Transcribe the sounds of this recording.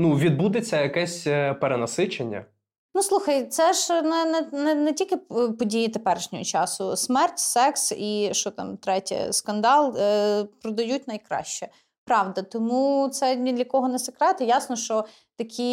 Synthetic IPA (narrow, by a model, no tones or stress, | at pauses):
nuʋʲid̪̚bud̪et͡sʲːɐjɐkɛsʲpeɾenɐsɪt͡ʃenʲːɐ̰ | nuslˠuxɐjt̪sɛʒnɛnɛnɛnɛtʲilʲkɪpɔdʲijit̪epɛɾeʃnʲɔɦɔt͡ʃɑsʊsmɛrtʲsɛksiʃt͡ʃɔt̪ɑ̰mt̪ɾɛtʲɐ̰skɐnd̪ɑlˠpɾɔd̪ɐjutʲnɐjkɾɑ̰ʃt͡ʃɛ | pɾɑʋd̪ɐt̪ɔmut̪sɛnʲid̪lʲɐkɔɦɔnɛsɐkɾɛt̪ɪjɑsnɔʃt͡ʃɔ | t̪ɐkʲʰi